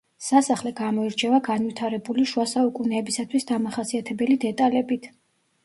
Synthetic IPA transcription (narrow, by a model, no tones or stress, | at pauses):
sasaχlɛɡamɔiɾt͡ʃʰɛvaɡanvit̪ʰaɾɛbuliʃuasaukʼunɛːbisat̪ʰwisd̪amaχasiat̪ʰɛbɛlid̪ɛt̪ʼalɛbit̪ʰ